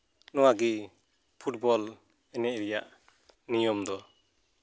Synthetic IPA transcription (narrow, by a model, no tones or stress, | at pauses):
nɔwaɡi | pʰut̚bɔl | ɛnɛʔɾijaʔ | nijɔmd̪ɔ